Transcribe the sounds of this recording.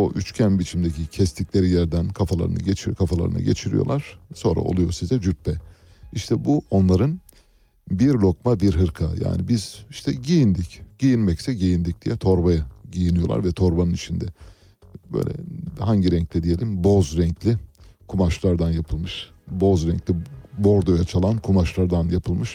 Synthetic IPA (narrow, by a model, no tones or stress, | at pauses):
oʔyt͡ʃcʰænbit͡ʃʰimd̪ecʰicʰɛst̪ʰiclʲeɾijæɾd̪ænkʰafalˠa̰ɾɯ̰na̰ɟet͡ʃʰikʰafalˠa̰ɾɯ̰na̰ɟḛt͡ʃʰiɾijo̰lˠaɾ̥so̞nɾa̰ʔo̞̰lˠujo̞̰sizɛd͡ʒyɾt̪̚pʰɛ | iʃt̪ʰɛbuo̞nlˠaɾɯn | biɾlʲo̞k̚mabiɾɦɯɾkʰaja̰ːnibiziʃt̪ʰɛɟijind̪icɟ̥ijinmɛcsɛɟijind̪ic̚d̪̥ijɛt̪ʰo̞ɾbajaɟijinijo̞lˠa̰ɾvɛt̪ʰo̞ɾbanɯnit͡ʃʰind̪ɛ | bø̰jlʲɛ̰haɲɟiɾɛɲc̚lʰʲɛd̪ije̞lʲimbo̞zɾɛɲclʲikʰumaʃlˠaɾd̪anjapʰɯlˠmɯʃ | bozɾɛɲclʲibo̞ɾd̪ojat͡ʃʰalˠankʰumaʃlˠaɾd̪anjapʰɯlˠmɯʃ